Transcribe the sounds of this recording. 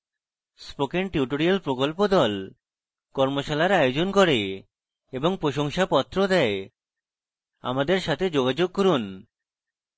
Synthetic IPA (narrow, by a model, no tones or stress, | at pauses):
spokeɳʈiuʈoɾialpɾokolpod̪ɔl | kɔɾmoʃalaɾajod͡ʑonkɔɾe | eboŋpɾoʃoŋʃapɔt̪ːɾod̪ɛe | a̰mad̪eɾʃat̪ʰed͡ʑoɡad͡ʑoɡ̚kɔɾun